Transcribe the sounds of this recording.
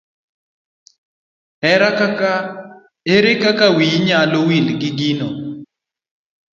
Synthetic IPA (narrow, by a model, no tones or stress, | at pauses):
ɛɾakaa | eɾekakawiɲalowilɡɪɡinɔ